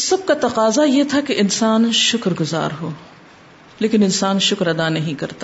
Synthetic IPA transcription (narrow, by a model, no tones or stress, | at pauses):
sɐb̚kat̪ɐqaːzajet̪ʰakeʔɪnsaːnʃʊkɾɡʊza̰ːɾɦoː | leːkɪnɪnsaːnʃʊkɾɐd̪anɐɦĩkɐɾt̪aː